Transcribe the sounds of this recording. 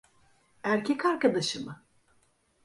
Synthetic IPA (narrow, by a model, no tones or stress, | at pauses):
æɾcʰɛkaɾkad̪aʃɯmɯ